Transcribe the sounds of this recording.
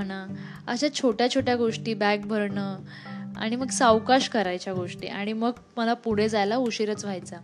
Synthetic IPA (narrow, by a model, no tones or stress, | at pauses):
məna | ə̰ɕat͡ɕʰoʈjat͡ɕʰoʈjaɡoʂʈiːbak̚bʱəɾɳəː | a̰ɽ̃iməɡsawkaɕkəɾajt͡ɕjaɡoʂʈḭːʔaɽ̃iməɡ | məlapuɽ̤ed͡zajlauɕiɾət͡sʋ̤ʱajt͡sa